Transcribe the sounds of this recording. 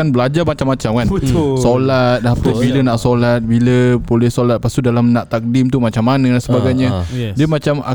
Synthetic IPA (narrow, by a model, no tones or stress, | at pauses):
anbəlad͡ʒarmat͡ʃamːat͡ʃamkansolat̪̚ːapəbilənãʔsolat̪̚biləbolɛhsolat̪̚past̪udalamnãʔt̪ak̚dimt̪umãt͡ʃamːanə̃dansəbaɡajɲãdiəmãt͡ʃama̰